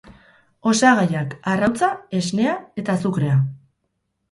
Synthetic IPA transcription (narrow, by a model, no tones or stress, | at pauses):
o̞saɣajakarawt͡sae̞zne̞ae̞t̪asukɾe̞a